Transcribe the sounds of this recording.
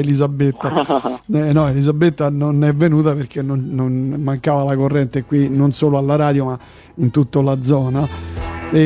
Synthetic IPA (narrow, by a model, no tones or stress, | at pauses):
elizabːet̪ːaɛnɔelizabːet̪ːanonɛvːenuːt̪aperk̟enːonnːonmaŋkaːvalakorːɛnt̪ekwinonsoːloalːaɾaːd̪joma | int̪ut̪ːolad̪zːɔːna | e